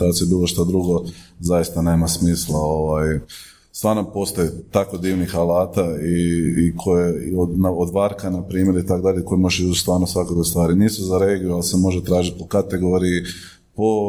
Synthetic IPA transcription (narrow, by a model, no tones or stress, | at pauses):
t̪at͡ʃ̪iebiːloʃt̪ad̪ɾuɡo̞zajist̪ane̞ːmasmiːslˠao̞ʋaj | st̪ʋaːɾnopo̞st̪ojet̪ako̞d̪iːʋnixalaːt̪aiːkʰojeonaod̪ʋaɾkanapɾiːmje̞ɾit̪akd̪aʎeko̞jimoʒeut͡ʃst̪ʋaːɾnosʋakokest̪ʋaːɾiniːsuzaɾeɡijualsemo̞ʒet̪ɾaːʒit̪̚pokat̪e̞ɡo̞ɾii | po